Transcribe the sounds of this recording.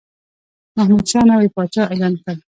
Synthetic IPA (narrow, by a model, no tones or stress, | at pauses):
mahmud̪ʃɑnawepɑt͡ʃɑelɑnkaɾ